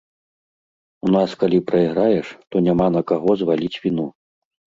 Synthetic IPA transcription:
un̪askalʲipɾɐiɣɾajɛʂt̪ɔnʲamanɐkaɣɔzvalʲit͡sʲvʲinu

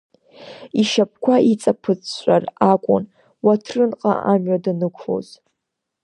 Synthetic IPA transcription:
iʃap̚ʰkʷʰait͡sʼapʰɨt͡sʰɕʃʷarakʷʼʊ̰n | watʰrɨnqʼa̰ʔamɥadanɨkʷʰfo̰z

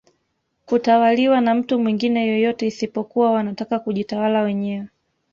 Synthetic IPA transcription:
kutawaliwanam̩tumwiŋɡinɛjɔjɔtɛisipɔkuwawanatakakuʄitawalawɛɲɛwɛ

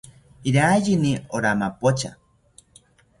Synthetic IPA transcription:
iɾaːjinioɾamapot͡ʃa̰

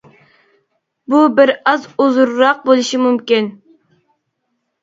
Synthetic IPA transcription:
bubɪɾɑzuzuɾːɑq̚bolˠuʃimumkʲin

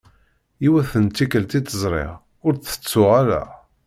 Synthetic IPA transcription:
iwæθənt̪ːikəlt̪it̪əzˤɾˤḛʁ | ʊɾθə̥t͡sːʊʁaɾæ̰

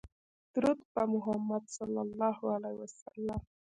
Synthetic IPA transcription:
t̪ɾʊt̪pamʊɦamːad̪salːalːɑhualajwasa̰lːam

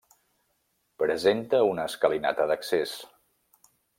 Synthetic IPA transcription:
pɾəzent̪əunəːskəlina̰t̪əðəkses

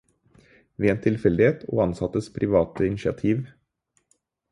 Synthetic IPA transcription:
ʋeːeːnt̪ʰɪlfɛld̪ɪheːt̪ʰo̰ːɑnsɑt̪əspʰɾɪʋɑːt̪əɪnɪʃɪɑ̰t̪ʰiːʋ

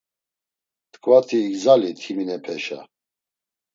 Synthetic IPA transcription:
t̪ʰʼkʼvat̪ʰiːɡzalit̪ʰiminɛpʰɛʃa̰

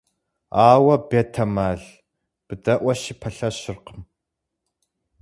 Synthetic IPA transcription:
aːwɐbetʰɐmaːɮ | b̥ɨdɐʔʷɐʃiːpʰɐɬɐɕɪrqəm

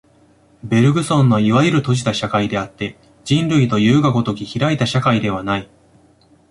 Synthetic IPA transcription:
be̞ɾɯ̟ɡɯ̟sõ̞nːo̞iβajɯɾɯ̟t̪o̞ʑi̥t̪aɕakaid̪e̞at̪ːe̞ | d͡ʑĩnɾɯ̟it̪o̞jɯ̟ːɡako̞t̪o̞kʲiçiɾait̪aɕakaid̪e̞β̞anai

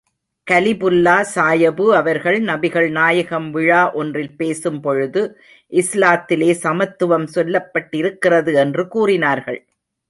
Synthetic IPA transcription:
kɐlɪbʊlːaːsaːjɐbɯɐʋɐɾɣɐɭnɐbɪɣɐɭnaːjɐɣɐmʋɪɻaːʔɔndrɪlpeːsɯmpɔɻɯðɯ | ʔɪslaːt̪ːɪleːsɐmɐt̪ːɯʋɐmsɔlːɐpːɐʈːɪɾɯkːɪrɐðɯɛndrɯkuːrɪnaːɾɣɐɭ

